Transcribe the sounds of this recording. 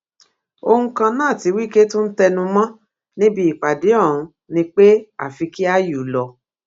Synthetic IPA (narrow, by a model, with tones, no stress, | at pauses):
o˧ũ˧kã˧nãː˦˨ti˨˧wi˦ke˦tũ˦n̩˦tɛ˧nũ˧mã˦ | nĩ˦bi˧i˨k͡pa˨de˨˦ɔ̃˦˨ũ˨˧ | nĩ˧˦k͡pe˦a̰˨fi˨˧ki˦a˦ju˨lɔ˧